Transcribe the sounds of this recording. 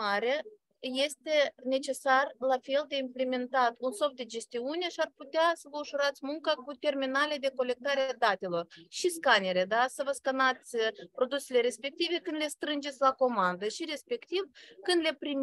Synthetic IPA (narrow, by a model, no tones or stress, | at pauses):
aɾea | je̞st̪e̞ne̞t͡ʃe̞sarlafe̞ld̪e̞imple̞me̞nt̪at̪unso̞fd̪e̞d͡ʒe̞st̪iune̞ʃiarput̪easəvəuʃuɾat̪sʲmuŋkakut̪e̞rminaled̪e̞ko̞le̞k̚t̪aɾead̪at̪e̞lo̞rʃiskane̞ɾe̞d̪asəvəskanat̪sʲpɾo̞d̪use̞le̞ɾe̞spe̞k̚t̪ive̞kɨnd̪le̞st̪ɾɨnd͡ʒe̞t̪sʲlako̞mand̪əʃiɾe̞spe̞kt̪ivkɨnd̪le̞pɾim